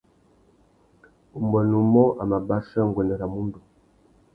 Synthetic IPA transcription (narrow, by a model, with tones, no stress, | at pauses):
u˨mbɔ˨nu˨mɔ˦ʔa˨ma˨ba˦sa˦ŋɡwɛ˨ndɛ˨ɾa˨mu˦ndu˨